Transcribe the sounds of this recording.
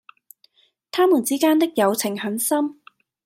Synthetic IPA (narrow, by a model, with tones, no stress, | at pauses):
t̪ʰaː˥muː˨˩nt͡siː˨˥kaː˥nt̪ɪ˥k̚jɐ˨˧wt͡sʰɪ˨˩ŋhɐ˨˥nsɐ˥m